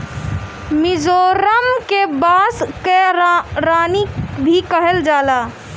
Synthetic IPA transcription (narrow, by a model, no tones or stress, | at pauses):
mɪzoːɾəmkebaːskeɾaːnibʱikəɦəld͡ʒaːlaː